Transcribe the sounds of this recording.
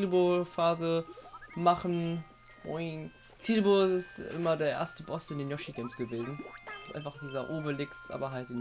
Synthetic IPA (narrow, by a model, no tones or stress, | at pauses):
l̩bofaːzəmaχn̩ | b̥ɔɪɪŋ | tʰil̩boɪstʔɪ̰mɐdeːɐʔḛːɐstəbɔsɪndeːnjɔʃiɡɛːmsɡ̥əveːzn̩ɪstʔaɪnfaχd̥iːzɐʔoːbəlɪksʔa̰ːbɐɦaltɪn